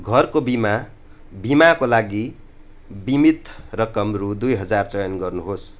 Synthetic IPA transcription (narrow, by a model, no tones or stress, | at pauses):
ɡʱʌrkobima | bimakolaɡi | bimit̪rʌkʌmrud̪ujɦʌd͡zart͡sʌjʌnɡʌrnuɦos